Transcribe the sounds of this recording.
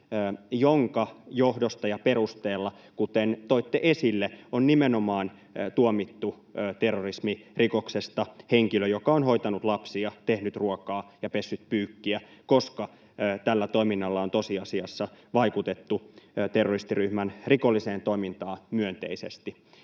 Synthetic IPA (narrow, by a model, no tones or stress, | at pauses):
joŋkɑjohdost̪ɑjɑpe̞ɾust̪eːlːɑ | kut̪ent̪oit̪ːeʔesilːeonnimenomɑːn | t̪uomit̪ːu | t̪e̞rːorismiriko̞ksest̪ɑheŋkiløjokɑonho̞it̪ɑnut̪lɑpsiɑt̪ehnyt̪ruokɑːjɑpe̞sːyt̪pyːkːiæko̞skɑ | t̪ælːæt̪o̞iminːɑlːɑo̞nt̪o̞siɑsiɑsːɑʋɑjkut̪et̪ːut̪e̞rːorist̪iryhmænrikolːiseːnt̪oimint̪ɑːmyønt̪ḛisḛst̪i